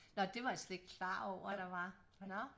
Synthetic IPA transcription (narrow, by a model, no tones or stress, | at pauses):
nɒ̽d̥e̝ʋɑ̈sleɡ̥̚kʰlɑ̰̈ːɒʊ̰ɐɾ̥ɑ̈ʋɑ̈ | nɒ